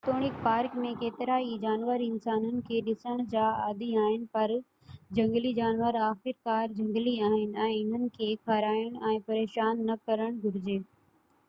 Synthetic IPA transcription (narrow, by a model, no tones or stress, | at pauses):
t̪oːɽ̃ɪk̚paːɾkmẽkeːt̪ɪɾaːid͡ʑaːnʋəɾɪnsaːnənɪ̆kʰeːɗɪsəɽ̃d͡ʑaːaːd̪iaːɦɪnɪ̆pɐɾ | d͡ʑɐ̃ŋɡlid͡ʑaːnʋəɾaːxɪɾkaːɾd͡ʑɐ̃ŋɡliaːɦɪnɪ̆ɛ̃ːɪn̤ənɪ̆kʰeːkʰaːɾaːjʊɽ̃ɛ̃ːpɐɾeːʃaːnːɐkɐɾəɽ̃ɡʱʊɾɪd͡ʑeː